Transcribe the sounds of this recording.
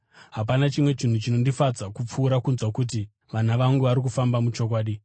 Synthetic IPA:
ɦap̬anat͡ʃimwe̞t͡ʃin̤ut͡ʃino̞ndifad͡zakup͡fuːɾakunzwakut̬i | ʋanaʋaŋɡuʋaɾik̬ufambamut͡ʃo̞kwaːɗi

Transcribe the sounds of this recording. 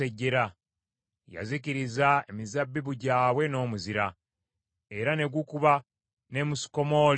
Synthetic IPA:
eɟːe̞ɾa | ja̰ziciɾizae̞mizabːiβuɟaːwe̞no̞ːmuziɾa | eɾane̞ɡwukuβa | ne̞musi̥ko̞mo̞ːl

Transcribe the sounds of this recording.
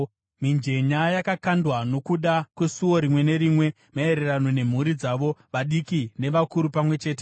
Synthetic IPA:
mind͡ʒe̞ɲajakakandwano̞kuɗakwe̞suwo̞ɾimwe̞ne̞ɾimwe̞ | mae̞ɾe̞rano̞ne̞m̤uɾid͡zaʋo̞ʋaɗikine̞ʋakuɾupamwe̞t͡ʃe̞ːt̬e

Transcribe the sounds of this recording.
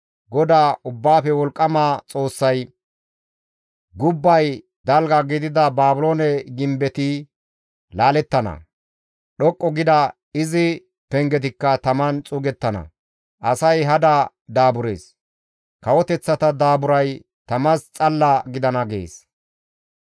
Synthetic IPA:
ɡɔd̪aːʔʊbːaːfɛwɔlkʼːɐmaːt͡sʼo̞ːsːɐj | ɡʊbːɐj | d̪ɐlɡɐɡɪd̪ɪd̪ɐbaːbʊloːnɛɡɪmbɛt̪ɪ | laːlɛt̪ːɐnɐ̰ | ɗɔkʼːɔɡɪd̪ɐ | ɪzɪ | pɛŋɡɛt̪ɪkːɐt̪ɐmɐnt͡sʼʊɡɛt̪ːɐnɐ̰ | ʔɐsɐjɦɐd̪ɐ | d̪aːbʊɾe̞̰ːs | kɐwɔt̪ɛt͡sːɐt̪ɐd̪aːbʊɾɐj | t̪ɐmɐst͡sʼɐlːɐɡɪd̪ɐnɐɡḛːs

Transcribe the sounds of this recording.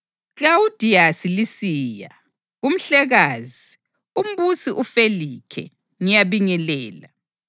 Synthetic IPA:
klaud̥ʱiasilisiːja̰ | ɣum̩ɬɛɣaːzi | um̩βusiʔufelikʰɛ̰ | ŋijaβiŋɛlɛːla̰

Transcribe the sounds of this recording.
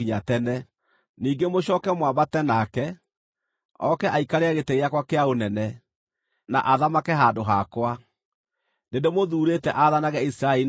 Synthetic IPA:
iɲatɛnɛ | niːŋɡemoɕɔːkɛmwabatɛnakɛ | ɔkɛʔaikaɾeaɣeteɣeakwakeaonɛnɛ | na̰ʔaðamakɛɦaːndoɦakwa | dendemoðuːɾetɛʔaðanaɣɛisiɾaei

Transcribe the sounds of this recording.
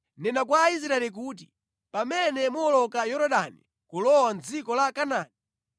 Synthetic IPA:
nɛnak̬waːis̬ɾaɛlik̬uːt̬i | pamɛnɛmuɔlɔkajɔɾɔɗanḭ | kulɔwand͡zikɔlakanaːni

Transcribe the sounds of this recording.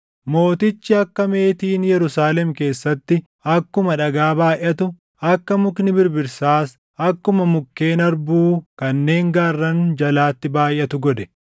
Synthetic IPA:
mo̞ːt̪ɪt͡ʃːɪɐkːɐme̞ːt̪iːnjɛɾʊsaːlɛmke̞ːsːɐt̪ːɪ | ɐkːʊmɐᶑɐɡaːbaːjʔːɐt̪ʊ | ɐkːɐmʊknɪbɪɾbɪɾsaːs | ɐkːʊmɐmʊkːe̞ːnɐɾbuːkɐnːe̞ːŋɡaːrːɐnd͡ʒɐlaːt̪ːɪbaːjʔːɐt̪ʊɡɔd̪ɛ̥

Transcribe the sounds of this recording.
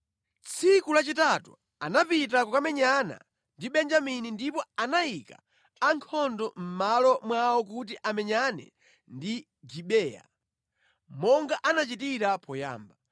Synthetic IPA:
t͡sʰikulat͡ʃitatṵ | anapit̬akukamɛɲana̰ | ndiɓɛnd͡ʒaminindipɔanajika̰ː | ŋkʰɔndɔm̩malɔmwawɔk̬ut̬iʔamɛɲanɛ̰ | ndi | d͡ʒiɓɛːja̰ | mɔŋɡaʔanat͡ʃitiɾapɔja̰ːmba

